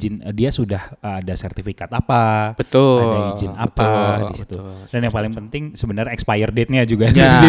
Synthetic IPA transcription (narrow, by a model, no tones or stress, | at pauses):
d͡ʒɪnədiasudahəadasɛrt̪ifikat̪apabət̪ʊadaid͡ʒɪna̰padisi̥t̪udanjaŋpalɪŋpənt̪ɪŋsəbənərɛkspajərdɛt̪̚nad͡ʒuɡamisi